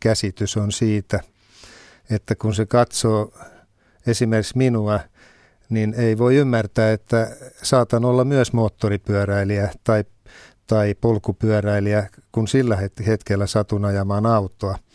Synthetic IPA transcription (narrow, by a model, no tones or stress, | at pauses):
kæsit̪ysonsiːt̪æ | et̪ːækunsekɑt̪soː | esimerksminuɑ | nineiʋoiymːært̪æːet̪ːæsɑːt̪ɑnolːɑmyøsmoːt̪ːoripyæræiliæt̪ɑi | t̪ɑipolkupyœræiliækunsilːæhet̪het̪kelːæsɑt̪unɑjɑmɑːnɑut̪ˑoɑ